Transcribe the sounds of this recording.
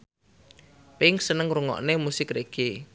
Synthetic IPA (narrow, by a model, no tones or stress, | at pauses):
pɪŋsənəŋɾuŋɔ̰ʔnemusɪkɾeɡ̥e